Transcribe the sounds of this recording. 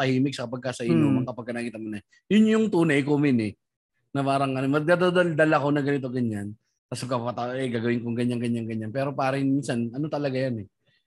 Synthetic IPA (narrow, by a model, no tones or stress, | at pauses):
ɐhiːmɪk̚sɐkɐpɐɡ̚kasɐʔɪɲomɐŋkɐpɐɡ̚kɐnakiːt̪ɐnmonɐ | jʊnjʊŋt̪uːnɐjkoːmɪnɛ | nɐpaːɾɐŋʔɐnomɐɡ̚d̪ad̪ad̪ald̪ɐlɐko̞nɐɡɐnɪt̪o̞ɡɐɲan | t̪asɐkɐppɐt̪ɐɛɡaːɡɐwɪŋkoŋɡɐɲaŋɡɐɲːaŋɡɐɲːanpɛːɾo̞paːɾɐɪŋminsanɐno̞t̪ɐlɐɡajanɛ